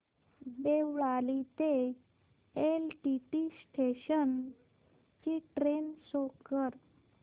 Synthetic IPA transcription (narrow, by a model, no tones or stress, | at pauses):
beʋɭalit̪e | elʈiʈisʈʰeɕən | t͡ɕiʈɾensokəɾ